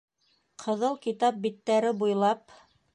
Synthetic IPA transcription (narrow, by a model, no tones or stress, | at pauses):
qʰɤ̆ðɤlˠkit̪ɑp̚bit̪ːæɾɘbujlˠɑp